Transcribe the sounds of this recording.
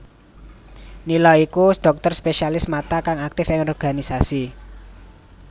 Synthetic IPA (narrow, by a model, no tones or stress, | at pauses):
nilɔikuɖ̪̥ɔ̤k̚t̪ɔrspeʃialɪsmat̪akaŋak̚t̪ɪfɪŋɔrɡ̥a̤nisasi